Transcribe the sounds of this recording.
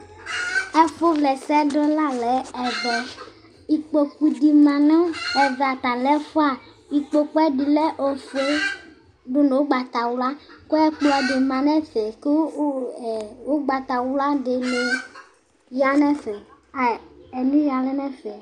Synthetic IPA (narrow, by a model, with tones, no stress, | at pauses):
ɛ˦fo˦vlɛ˨sɛ˦ɖo˦la˦lɛ˨˦ɛ˨vɛ˨ | i˨k͡po˨ku˦di˨mã˨nɔ̃˦ɛ˨vɛ˨a˨t̪a˨lɛ˦fo˦a˨ | i˨k͡po˦k͡pɔ˦ɛ˦di˨le˦ʔo˨fo˦ | ɖo˦no˨wo˦ɡ͡ba˨t̪a˨wla˦ko˦ɛ˦k͡plɔ˨de˨mã˨nɛ˦fe˨ke˦˨ | wo˦ɡ͡ba˨t̪a˨wla˦de˨le˨˦ | ja˨nɛ̃˦fe˨ | a˨e˨nũ˦ja˨lɛ˦nɛ˦fe˨